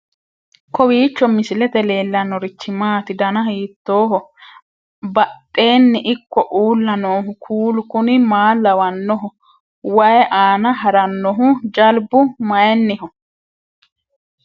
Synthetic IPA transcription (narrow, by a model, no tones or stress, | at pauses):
kɔwiːt͡ʃːɔmɪsɪlɛt̪ɛle̞ːlːɐnɔɾɪt͡ʃːɪmaːt̪ɪd̪ɐnɐhiːt̪ːo̞ːɦɔ | bɐt̪ʼːe̞ːnːɪʔɪkːɔʔuːlːɐnoːɦʊkʰuːlʊkʊnɪmaːlɐwɐnːɔɦʊ | wɐjɛʔaːnɐɦɐɾɐnːɔɦʊd͡ʒɐlbʊmɐjɛnːɪɦʊ